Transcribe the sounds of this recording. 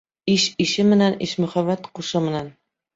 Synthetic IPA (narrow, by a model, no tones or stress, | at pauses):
ɪʃɪʃɪmɪnanɪʃmʊhavːat̪qʰʊʃɪmɪnan